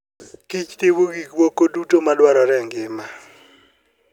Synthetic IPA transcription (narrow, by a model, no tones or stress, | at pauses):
kit͡ʃtiβuɡikwokodutomalwaɾɔɾɛŋɡɪma